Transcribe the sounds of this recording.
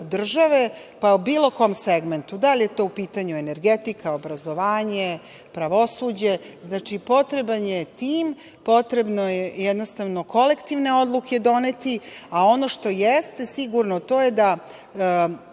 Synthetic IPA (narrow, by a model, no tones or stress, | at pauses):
d̪r̩ʒaʋepaubiːlo̞ko̞mseɡment̪ud̪alʲijet̪o̞ːupiːt̪aɲuene̞ɾɡet̪ikʰaobɾazo̞ʋaːɲe | pɾaʋo̞suːd͡ʑe̞znaːt͡ʃipo̞t̪ɾebanjet̪iːm | po̞t̪ɾebnojejɛd̪nost̪aʋno̞ko̞lekt̪iʋne̞o̞d̪luked̪o̞net̪iao̞no̞ʃt̪o̞jest̪e̞siɡuɾnot̪o̞ːje̞d̪a